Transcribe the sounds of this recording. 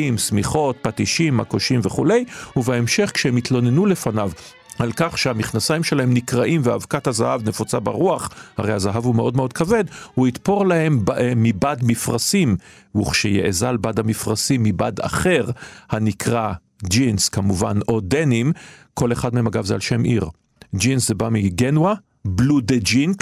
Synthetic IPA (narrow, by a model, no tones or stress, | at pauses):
imsmiχo̞t̪̚pat̪iʃimhakoʃimveχule̞jhuveemʃe̞χkʃehemit̪lo̞nenule̞fanav | alkaχʃeamiχnasajimʃelaɦe̞mnikʁaʔimveavkat̪hazahavne̞fot͡sabaʁuaχha̰ʁejhazaɦavumeʔo̞dmeo̞d̪̚kave̞d̪huit̪po̞ʁlahe̞mːibadmifʁasim | uχʃejḛʔezalbad̪hamifʁasimːibada̰χe̞ʁhanikʰʁa | d͡ʒinskamuvano̞de̞nimkʰo̞le̞χad̪memaɡavzealʃe̞mʔḭʁ | d͡ʒinszebamiɡenwa | blud̪ed͡ʒink